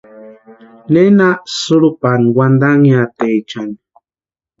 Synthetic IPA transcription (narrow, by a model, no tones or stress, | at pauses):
nenaʔsuɾupanɡwand̪aŋiat̪eit͡ʃan